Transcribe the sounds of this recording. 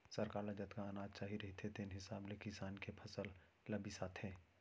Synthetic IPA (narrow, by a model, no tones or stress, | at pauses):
sɐɾkaːɾlad͡ʒɐt̪kaːnaːd̪̚t͡ʃaːɦiɾɐɦit̪ʰet̪ʰenɦɪsaːblekɪsaːnkepʰɐsəlː | ɐbisaːt̪ʰɦɛ̃ː